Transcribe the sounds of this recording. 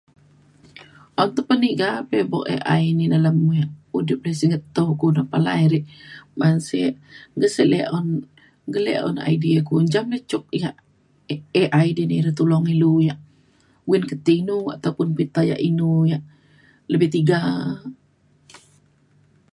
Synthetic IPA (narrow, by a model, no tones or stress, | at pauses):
ʔɔnt̪əpəniʔɡapɛbɔkḛʔa̰ininaləmujaʔudɪp̚ləsiŋət̪ːokunapala̰iɾiʔmansɛ̰ʔɡəsəʔleʔɔn | ɡəlḛɔ̰na̰idiakuɲd͡ʒamlət͡ʃuk̚jaʔ | eʔajdiniɾət̪ulɔŋilujaʔ | winkət̪inua̰t̪aupʊnpit̪aja̰ʔinujaʔ | ləbɛht̪iɡa